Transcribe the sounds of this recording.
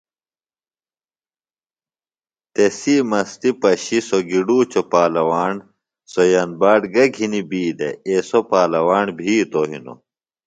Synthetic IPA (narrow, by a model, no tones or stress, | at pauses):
t̪esimɐst̪ipɐɕisoɡiɖuːt͡ɕopaːlɐwaːɳ | sojɐnbaːɖɡɐɡʱinibiːd̪ḛesopaːlɐwaːɳbʱiːt̪oɦḭno̰